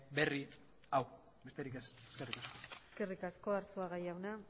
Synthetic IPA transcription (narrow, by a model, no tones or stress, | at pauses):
be̞ri | aw | be̞st̪e̞ɾike̞seske̞rikaskoeskerikasko̞aɾt͡suaɣajawna